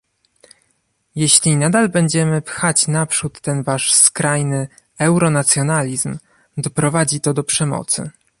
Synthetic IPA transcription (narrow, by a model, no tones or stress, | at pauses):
jeɕlʲinad̪albɛɲd͡ʑɛmɘpxat͡ɕnapʂut̪ːɛnvaʂskɾajnɘ | ɛwɾɔnat̪sʲjɔnalʲizm | d̪ɔpɾɔvad͡ʑit̪ɔd̪ɔpʂɛmɔ̰t̪sɘ̰